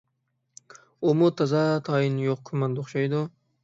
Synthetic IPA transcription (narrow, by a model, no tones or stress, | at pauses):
umut̪ʰɑzɑt̪ʰɑːjinjoqkʰʊmɑnd̪oχʃɑjd̪u